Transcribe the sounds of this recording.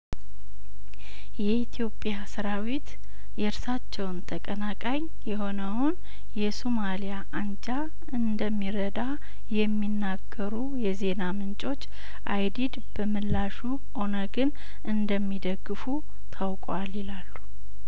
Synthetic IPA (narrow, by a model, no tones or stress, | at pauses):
jɛit̪ʰijo̞pʼjasɨɾawit̪ | jɛɾsat͡ʃːɛwnt̪ʰəkʼənakʼaɲ | jɛho̞nəwʊn | jɛsomalijaʔand͡ʒʼa | ɨnd̪əmːiɾəd̪a | jɛmːinːaɡːəɾujɛze̞namɨnt͡ʃʼo̞t͡ʃː | ʔa̰jd̪id̪b̥əmɨlːaʃu | o̞nəɡɨn | ʔɨnd̪əmːid̪əɡːɨfu | t̪ʰawkʼwalilalːu̥